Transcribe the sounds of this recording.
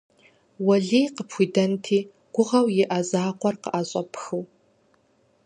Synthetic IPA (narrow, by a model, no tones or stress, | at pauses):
wɐɮijqəpʰxʷidɐntʰiː | ɡ̥ʷʊʁɐwjɪʔazaːqʷʰʼɔrqə̰ʔaɕʼɐpʰxɨw